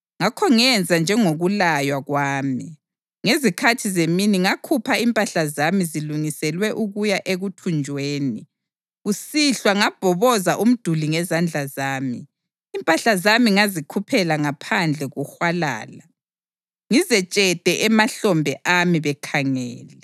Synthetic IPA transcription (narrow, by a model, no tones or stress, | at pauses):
ŋakʰɔŋɛnd͡zʱand͡ʒʱɛŋoɣulajwaɣwaːmi | ŋezikʰatʰizeminiŋakʰupʰaimpʼaɬazamiziluŋisɛlwɛʔuɣujaʔeɣutʰund͡ʒʱweːni | usiɬwaŋab̥ʱɔβɔzaʔum̩d̥ʱuliŋɛzand͡ɮʱazaːmḭː | mpʼaɬazamiŋazikʰupʰɛlaŋapʰand͡ɮʱɛɣuxwala̰ːla | ŋizɛt͡ʃʼɛd̥ʱɛʔɛmaɬɔmbʱɛʔamiβɛkʰaŋɛːlɛ